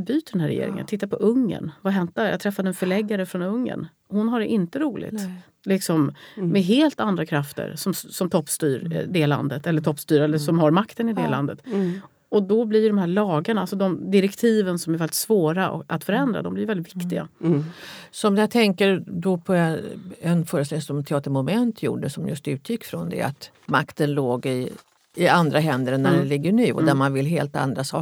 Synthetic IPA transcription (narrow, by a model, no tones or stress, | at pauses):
byːt̪əɖ̪ɛnɦæːɾɛ̰jḛːɾɪ̰ŋə̰nt̪ʰɪt̪ːapʰɔʔɵŋːə̰nvaɦɛnt̪̚d̪æja̰t̪ʰɾɛfːad̪əɛnfœɭɛɡːaɾəfɾɔnɵŋːə̰n | hʊnɦaɖɛʔɪnt̪əɾuːlɪ̰ɡt̪ | lɪksɔmmɛɦeːlt̪and̪ɾakʰɾaft̪ə̰ɾsɔmsɔmt̪ʰɔpːst̪yːɾd̪ɛla̰nd̪ət̪ɛlːəʈ̪ʰɔpːst̪yːɾɛlːəʂɔmhaɾmakt̪ənɪd̪ɛla̰nd̪ət̪ | ɔd̪ɔblɪɾjɵɖ̪ɔmɦæːɭɑːɡaɳaalsɔd̪ɔmd̪ɪɾɛkt̪ʰiːvənsɔmæɾvɛlɪt̪svoːɾa̰ʔat̪fœɾɛnd̪ɾa̰d̪ɔmblɪɾjvɛlɪt̪vɪkt̪ɪɡa̰ | sɔmjat̪ʰɛŋkəɾd̪ɔpʰɔ | ɛnfœːɾəst̪ɛl̃sɔmt̪ʰɛɑːt̪əɾmʊmɛnt̪ʰjṵːɖəsɔmjɵ̰st̪ʉ̟ːt̪ʰjɪkːfɾɔnd̪ɛ̰a̰t̪ | makt̪ənloːɡɪ | ɪand̪ɾaɦɛnd̪əɾnːæɖɛnlɪɡːəɳyːɔ̰d̪æɾmanvɪlɦeːlt̪a̰nd̪ɾasɑ̰ː